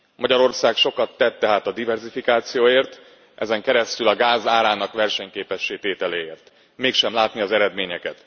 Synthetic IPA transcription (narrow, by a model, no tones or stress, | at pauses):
mɒɟɒɾo̞rsaːkʃo̞kɒt̪ːɛt̪ːɛɦaːt̪ɒd̪ivɛrzifikaːt̪sijoːeːrt̪ | ʔɛ̰zɛŋkɛɾɛst̪ylɒɡaːzaːɾaːnɒkʋɛrʃɛɲkeːpɛʃːeːt̪eːt̪ɛleːjḛːrt̪ | meːkʃɛmlaːt̪niɒzɛɾɛd̪meːɲɛkɛt̪